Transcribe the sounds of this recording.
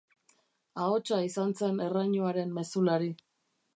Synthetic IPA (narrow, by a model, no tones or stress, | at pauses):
ao̞t͡ʃaisanse̞ne̞raɲuaɾe̞mːe̞sulaɾi